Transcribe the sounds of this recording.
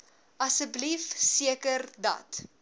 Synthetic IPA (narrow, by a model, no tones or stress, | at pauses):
ʔɐsəblifsiəkərdɐ̰t